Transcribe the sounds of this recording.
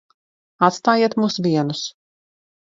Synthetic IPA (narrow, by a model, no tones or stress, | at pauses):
at̪st̪aːjiɛt̪muːsvʲiɛnus